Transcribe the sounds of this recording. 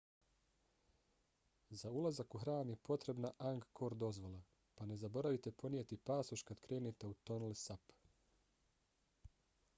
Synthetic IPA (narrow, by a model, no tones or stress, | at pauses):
zaulazakuxɾaːnje̞po̞t̪ɾe̞bnaʔaŋkkʰo̞ɾd̪o̞zʋo̞lˠa | pane̞zabo̞ɾaʋit̪epo̞nie̞t̪ipaːsoʃkad̪kɾe̞ːnet̪eut̪o̞nulisap